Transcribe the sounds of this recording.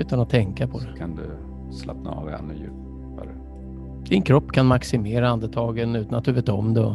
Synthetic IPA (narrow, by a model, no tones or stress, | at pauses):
ʉ̟ːt̪anat̪ʰːɛŋkapʰɔd̪ɛkʰand̪ɵ | sla̰pna̰ɑ̰ːvɛ̰nːɔjʉ̟̰ːp | aɾə | d̪̥ɪnkʰɾɔpːkʰanmaksɪmeːɾaand̪ət̪ʰɑːɡənʉ̟ːt̪anat̪̚d̪ɵveːt̪ɔmd̪ɛɔ